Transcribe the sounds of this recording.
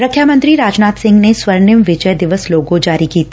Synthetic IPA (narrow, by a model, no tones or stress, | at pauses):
ɾəkʰːjamə̃nt̪ɾiɾaːd͡ʒnaːt̪sɪ̃ŋɡneswɐɾnɪmʋɪd͡ʒəjd̪ɪʋəsloːɡõd͡ʒaːɾikiːt̪ʰː